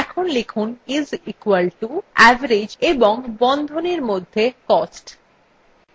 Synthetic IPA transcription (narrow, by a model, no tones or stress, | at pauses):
ɛkʰonlekʰunizikwalʈuɛvaɾed͡ʑeboŋbɔnd̪ʱoneɾmod̪ʱːekɔsʈ